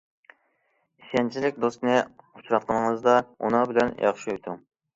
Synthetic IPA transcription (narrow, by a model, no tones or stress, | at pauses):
isʲɛnt͡ʃʰilɪk̚ʲd̪ost̪nɨu̥t͡ʃʰɾɑt̪̚qʰənəŋɨzd̪ɑṵnɨbɪlɛnjʔɑ̰χʃiut̪ʰu